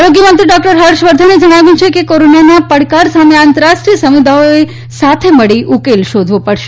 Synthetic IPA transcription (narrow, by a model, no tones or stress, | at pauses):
aɾoɡjəmənt̪ɾiɖɔk̚ʈəɾɦəɾʃʋəɾd̪ʱaned͡ʒəɽ̃aʋjũt͡ʃʰekekoɾonjanapəɽkaɾsameãnt̪əɾaʃʈɾiəsəmid̪ʱaoe | sat̪ʰeməɭiʔukelʃod̪ʱʋõpəɽʃe̥